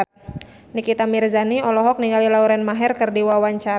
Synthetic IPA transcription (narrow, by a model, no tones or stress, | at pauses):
nikit̪amirzaniɔlɔɦɔk̚niŋɡalilauɾɛnmaɦɛrkərdiwawaɲt͡ʃa